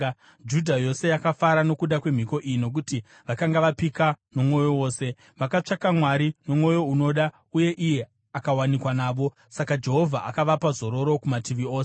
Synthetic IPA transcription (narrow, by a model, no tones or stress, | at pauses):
d͡ʒudʱajo̞se̞jakafaɾano̞kuɗakwe̞m̤iko̞ʔijino̞k̬uti | ʋakaŋɡaʋapikano̞mwo̞jo̞wo̞ːse̞ | ʋakat͡ʂakamwaɾino̞mwo̞jo̞uno̞ɗa | uje̞ʔije̞ | akawanikwanaːʋo̞ | sakad͡ʒe̞ɦo̞vʱaʔakaʋapazo̞ɾo̞ɾo̞kumatiʋio̞ːse